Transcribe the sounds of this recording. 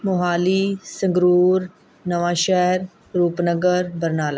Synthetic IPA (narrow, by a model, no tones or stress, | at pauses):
mʊɦaːliːsə̃ŋɡɾuːɾ | nəʋãːʃɛɦɾ | ɾuːpnəɡəɾbəɾnaːlaː